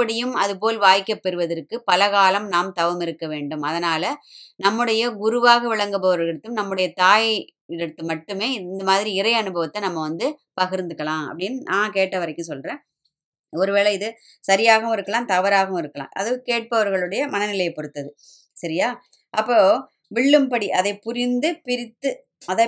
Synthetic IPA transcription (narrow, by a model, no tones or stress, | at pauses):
pːɐɽɪjɯmɐðɯp̬oːlʋaːjkːɐpːɛɾɯʋɐðɐrkːɯpɐlɐɣaːlɐmnaːmt̪ɐʋɐmɪɾɯkːɐʋeːɳɖɯmɐðɐnaːlɐnɐmːɯɽɐjɐɡʊɾɯʋaːɣɐʋɪɭɐŋɡɯpɐʋɐɾɣɐɽɐt̪ːɯmnɐmːɯɽɐjɐt̪aːj | ɪɾɐt̪ːɯmɐʈːɯmeːɪnd̪ɐmaːðɪɾiɪɾɐɪɐnɯbɐʋɐt̪ːɐnɐmːɐʋɐnd̪ɯpɐɣɪɾnd̪ɯkːɐɭãːɐ̰pːɐɽɪnːnʔãːkeːʈːɐʋɐɾɐɪkːɯ̃sɔlɾẽː | ɔɾɯʋeːɭɐɪðɯ | sɐɾɪjaːɣɐɯ̃mɪɾɯkːɐɭãːt̪ɐʋɐɾaːɣɐɯ̃mɪɾɯkːɐɭã̰ːʔɐ̰ðɯkeːʈ̚pɐʋɐɾɣɐɭɯɽɐjɐmɐnɐnɪlɐjpɔɽɯt̪ːɐðɯ | sɐɾɪjaː | ʔɐpːoː | ʋɪɭːɯmpɐɽiʔɐðɐɪpʊɾɪnd̪ɯpɪɾɪt̪ːɯ | ɐðaː